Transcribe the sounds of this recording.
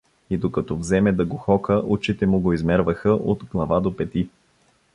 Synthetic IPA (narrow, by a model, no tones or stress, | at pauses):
id̪okɐt̪ɔvzɛmɛd̪ɐɡoxɔkəʔut͡ʃit̪ɛmʊɡoizmɛɾvəxəʔod̪ɡlˠɐvad̪opɛt̪i